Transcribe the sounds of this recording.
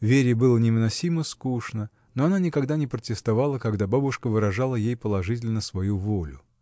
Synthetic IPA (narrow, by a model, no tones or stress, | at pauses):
vʲeɾʲɪbɨlˠənʲɪvɨnɐsʲiməskuʂnə | noɐnanʲɪkɐɡd̪anʲɪpɾətʲɪst̪ɐvalˠəkɐɡd̪ababʊʂkəvɨɾɐʐalˠəjejpəlˠɐʐɨtʲɪlʲnəsvɐjuvolʲʊ